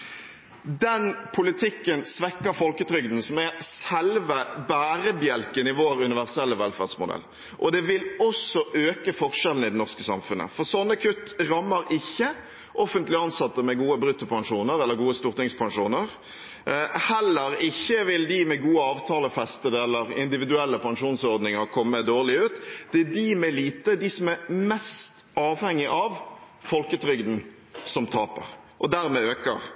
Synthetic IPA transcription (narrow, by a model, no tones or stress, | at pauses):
d̪ɛnpʰʊlɪt̪ʰɪkːənsʋɛkːəɾfɔlkət̪ʰɾʏɡd̪n̩sɔmɛsɛlʋəbæːɾəbjɛlkənɪʋoːɾʉnɪʋæʁsɛlːəʋɛlfæ̰ʁd̪smʊd̪ɛ̰lː | ʔɔd̪ɛʋɪlɔsɔʔøːkəfɔʁʂɛlən̩ɪd̪ɛnɔʁskəsɑ̰mfʉnə̰fɔʁsɔnːəkʰʉt̪ːʁɑmːəɾɪçːə | ʔɔfənt̪lɪɑnsɑt̪ːəmɛɡuːəbɾʉt̪ːɔpʰɑŋʂuːnəɾɛlːəɾɡuːəst̪uːʁt̪ɪŋspʰɑŋʂuːnəɾ | hɛlːəɾɪçːəʋɪld̪ɪmɛɡuːəɑːʋt̪ʰɑːləfɛst̪əd̪əɛlːəɾɪ̰nd̪ɪʋɪd̪ʉɛlːəpʰɑŋʂuːnsɔʁd̪nɪŋəʁkʰɔmːəd̪oːʁlɪʉːt̪d̪̥ɛæd̪imɛliːt̪əd̪ɪsɔmæɾmɛst̪ | ɑːʋhɛŋːɪʔɑʋ | fɔlkət̪ʰɾʏɡd̪n̩ | sɔmt̪ʰɑːpə̰ɾ | ʔɔd̪æɾmɛøːkəʁ